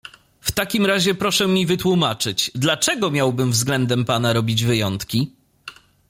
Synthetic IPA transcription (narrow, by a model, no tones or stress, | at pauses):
ft̪akʲimɾaʑɛpɾɔʂɛmʲivɘt̪wumat͡ʂɘd͡ʑd̪lat͡ʂɛɡɔmʲjawbɘmvzɡlɛnd̪ɛmpanaɾɔbʲid͡ʑvɘjɔnt̪kʲi